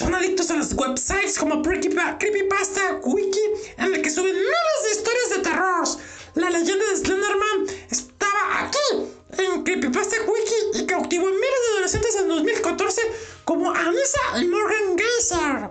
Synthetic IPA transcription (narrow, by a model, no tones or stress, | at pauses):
sonaðik̚t̪o̞salozɣweβsajt̪sko̞mopɾikipakɾipipast̪akwikienelke̞suβenːaβazðeist̪o̞ɾjazðe̞t̪e̞roɾos | lale̞ʝe̞nd̪aðezlend̪eɾmãnest̪aβaʔa̰ki | eŋkɾipipast̪aɣwikiikawt̪iβoenmilezðeaðolesjent̪esend̪o̞zmilkat̪o̞ɾse̞ko̞mo̞ʔamisaʔimoɾɣaŋɡasaɾ